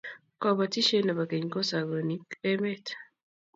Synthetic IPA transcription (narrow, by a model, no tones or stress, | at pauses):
kɔpɔtiʃɔnabakeɲkosaɡonikemet